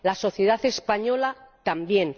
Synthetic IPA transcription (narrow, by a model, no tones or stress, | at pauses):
laso̞θjeð̞aθe̞spaɲo̞lat̪ambje̞n